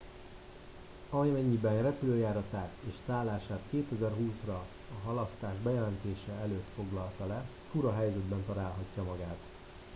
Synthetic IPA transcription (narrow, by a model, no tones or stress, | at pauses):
ɒjmɛɲːibɛnrɛpyløːjaːɾɒt̪aːt̪eːʃsaːlːaːʃaːt̪keːt̪ɛzɛrɦuːsrɒ | ɒɦɒlɒst̪aːʒbɛjɛlɛnt̪eːʃɛɛløːt̪fo̞ɡlɒlt̪ɒlɛ | fuɾɒɦɛjzɛd̪bɛnt̪ɒlaːlɦɒcːɒmɒɡaːt̪